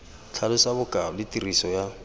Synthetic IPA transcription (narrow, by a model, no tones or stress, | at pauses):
t͡ɬʰalʊsabʊkʼaʊlɪtʼirisɔja